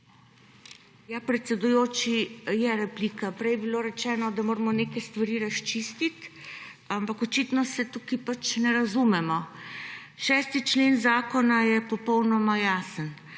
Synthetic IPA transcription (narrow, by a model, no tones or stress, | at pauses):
japɾɛt̪sɛd̪ujoːt͡ʃijɛɾɛpliːkapɾɛjbiloːɾɛt͡ʃɛːnɔd̪amoːɾmɔneːkɛjst̪ʋaɾiːɾast͡ʃist̪it̪ | ampakɔt͡ʃit̪nɔsɛt̪uːkipat͡ʃnɛɾazumɛmɔ | ʃɛːst̪it͡ʃleːnzaːkɔnajɛpɔpɔwnɔmajaːsən